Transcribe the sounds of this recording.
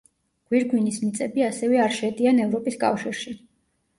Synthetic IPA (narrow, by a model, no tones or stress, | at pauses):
ɡ̥wiɾɡwinismit̪sʼɛbiasɛvɛaɾʃɛd̪ianɛvɾɔpʼiskʼa̰fʃiɾʃi